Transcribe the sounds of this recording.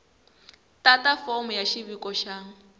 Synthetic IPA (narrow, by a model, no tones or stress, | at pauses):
tatafɔm̩jaʃiβikɔʃaːŋ̩